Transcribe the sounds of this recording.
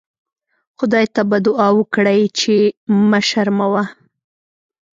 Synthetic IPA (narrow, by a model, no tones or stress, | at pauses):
xʊd̪ɑjt̪abad̪ʊɑwəkɽajt͡ʃemaʃaɾmawa